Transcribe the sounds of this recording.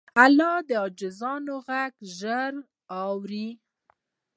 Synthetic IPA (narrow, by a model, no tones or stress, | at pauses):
alɑd̪əɑd͡ʒɪzɑnoɣaɡʒəɾ | ɑwɾi